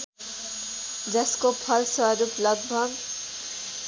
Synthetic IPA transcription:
d͡zʌskopʰʌlsʌɾuplʌɡbʱʌɡ

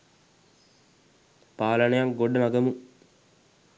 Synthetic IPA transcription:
paːlənəjamɡoɖːəmaɡəmu

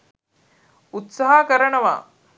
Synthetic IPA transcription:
ut̪saɦakəɾɐnɐʋa̰ː

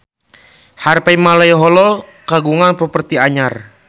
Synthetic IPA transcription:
harpaimalajɦɔlɔkaɡuŋanpɾɔpərt̪iaɲar

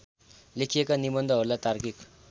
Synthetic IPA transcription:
lekʰijekanibʌnd̪ʱʌɦʌɾulat̪arkik

